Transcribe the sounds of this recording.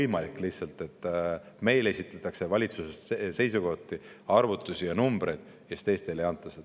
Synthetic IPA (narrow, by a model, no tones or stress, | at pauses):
jmɑlikːˑlisːɑlt̪ːˑe̞t̪ˑː | me̞jle̞sʲit̪ːˑɑt̪ːˑɑkse̞vɑlʲit̪susestse̞jsuko̞ht̪ːˑi | ɑrvut̪ːˑusʲijɑnumb̥ɾe̞jd̪̥ | kest̪e̞jst̪e̞leɑnt̪ːˑɑsed̪